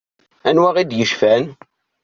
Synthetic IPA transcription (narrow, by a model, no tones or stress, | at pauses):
ænwæʁid̪jəʃfæn